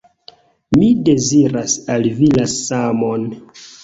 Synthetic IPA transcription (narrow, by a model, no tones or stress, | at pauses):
mide̞ziɾasalvilasamon